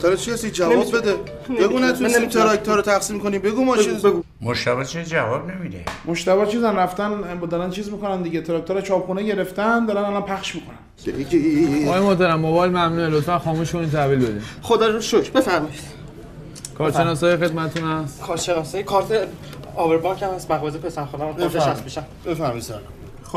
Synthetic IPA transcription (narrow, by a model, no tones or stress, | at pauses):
d̪ɒɾet͡ʃʰikʰæsid͡ʒævɒːbbed̪e | beɡuːnæt̪unit̪ʰeɾɒk̚t̪ʰoɾot̪ʰæxsiːmkonimbeɡuːmɒsɡ | moʃt̪æβɒːt͡ʃʰid͡ʒævɒːbnemid̪emoʃt̪æβɒːt͡ʃʰiːzænræft̪ænbd̪ɒːɾænt͡ʃʰiːzmikonænd̪iɟet̪ʰeɾɒk̚t̪oɾæt͡ʃʰɒːpxuːneɟe̞ɾe̞ft̪ænd̪ɒːɾænalɒnpʰæxʃmiːkʰonæn | eiɒɒɣːjemoht̪æɾæmːobɒːjlmæmnuelot̪fænxɒːmuːʃboiːnt̪ʰæviːlbed̪ḭːmχod̪ɒoʃokbefæɾmɒjid̪̥ | kʰɒːɾʃe̞nɒːsɒːjexe̞d̪mæt̪et̪ʰunhæst̪kʰɒːɾʃenɒsɒjikʰɒːɾt̪ʰe | ɒːbeɾbɒːŋkʰæmhæsmæɣɒzipʰesænxod̪æmæsefeʃæsmiʃæmbefæɾmɔj̪sɒl